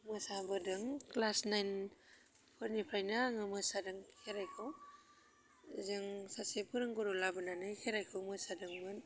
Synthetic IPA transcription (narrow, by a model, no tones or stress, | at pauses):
mɯsabɯdɯŋklasnajn | pʰɯɾnipʰɾajnaŋɯmɯsadɯŋkʰeɾajkʰɯw | zɯŋsasepʰɯɾɯŋɡɯɾulabɯnanɯjkʰeɾajkʰɯwmɯsadɯŋmɯn